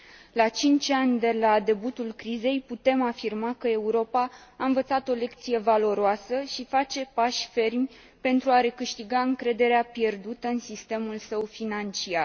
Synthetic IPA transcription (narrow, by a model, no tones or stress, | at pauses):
lat͡ʃint͡ʃʲanʲd̪e̞lad̪e̞but̪ulkɾize̞jput̪e̞mafirmakəe̞uɾo̞paːɨnvət̪sat̪o̞le̞kt̪sije̞valo̞ɾoasəʃifat͡ʃe̞paʃʲfe̞rmʲ | pe̞nt̪ɾuaɾe̞kɨʃt̪iɡaɨŋkɾe̞d̪e̞ɾeapje̞rd̪ut̪əɨnsist̪e̞mulsəwfinant͡ʃiar